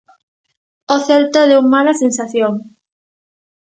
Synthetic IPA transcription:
oθɛlt̪oðeuŋmalasensaθjoŋ

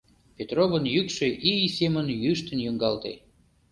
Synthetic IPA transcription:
pʲet̪rovənjykʃøʔisemənjyʃt̪ə̆njuŋɡɑlt̪ḛ

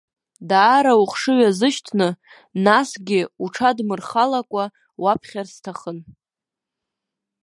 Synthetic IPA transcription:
daːɾauχʂɨɥazɨʃtʰnɨ | nasɡʲɪuʈ͡ʂʰadmɨrχalakʷʼa | wapʰχʲarstʰaχən

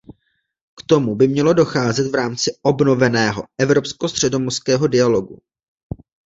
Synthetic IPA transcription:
kt̪o̞mubɪmɲɛlo̞do̞xaːzɛt̪vɾaːmt͡sɪobno̞vɛnɛːɦo̞̰ʔɛvɾo̞pskost̪r̝̥ɛdo̞moskɛːɦo̞dɪalo̞ɡu

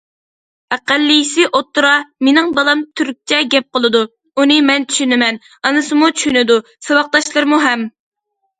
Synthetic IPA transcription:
æqælːijisɪʔot̪ːuɾɑmenɪŋbɑlˠɑmt̪ʰyɾk̚ʲt͡ʃʰɛɡʲɛp̚qəlˠɨd̪u | unɨmɛnt͡ʃʰy̥ʃynɪmɛn | ɑnɨsɨmut͡ʃʰy̥ʃynɪd̪u | sɨwɑq̚d̪ɑʃlˠɨɾmuɦɛm

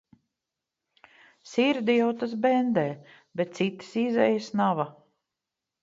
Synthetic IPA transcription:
siɾd̪ijawt̪asbɛnd̪ɛː | bet̪̚t̪sit̪i̥sizɛjsnava

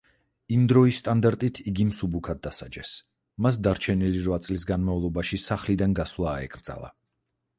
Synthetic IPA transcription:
imd̪ɾɔist̪ʼand̪aɾt̪ʼit̪ʰiɡimsubukʰad̪̚ːasa̰d͡ʒɛs | mas̬d̪aɾt͡ʃʰɛniliɾvat̪sʼlis̬ɡanmavlˠɔbaʃisaχlid̪anɡasvlˠaːɛ̰kʼɾd̪za̰lˠa̰

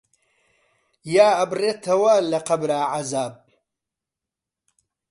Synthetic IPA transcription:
jaːɐbreːt̪ʰɐwɐlɐqɐbɾaːʕazaːb̚

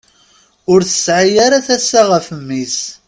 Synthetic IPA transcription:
ʊɾθə̥sʕajaɾaθæsːaʁəfəmːis

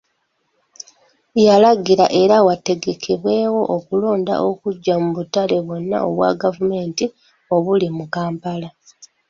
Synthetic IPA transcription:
jalaɡiɾaʔe̞ɾawate̞ɡe̞kʰeβwe̞ːwo̞ʔokulo̞ːnda̰ʔo̞kuɟːamuβutale̞βwo̞nːa̰o̞̰βwa̰ɡavume̞ːnti | o̞βulimukaːmpala

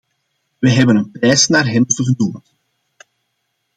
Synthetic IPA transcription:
ʋəɦɛbənənpɾɛːsnaːrɦɛnɔvəɣəduːnn

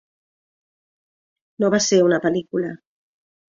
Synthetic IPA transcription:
noβaseɾunapəlikula

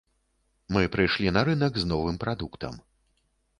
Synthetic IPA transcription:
mɨpɾɨjʂlʲinɐɾɨnɐɡznɔvɨmpɾad̪ukt̪ɐ̰m

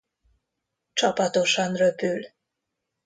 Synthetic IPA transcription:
t͡ʃɒpɒt̪o̞ʃɒnrøpyl

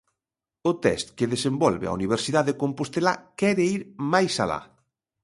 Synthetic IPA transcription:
ot̪ɛ̰st̪keðesembɔlβḛa̰uniβ̞eɾsiðaðekompost̪elakɛɾeiɾmajsala̰

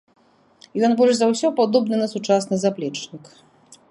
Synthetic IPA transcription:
jɔnbɔlʂzawsʲɔpad̪ɔbnɨnɐsut͡ʂasnɨzaplʲɛt͡ʂnʲik

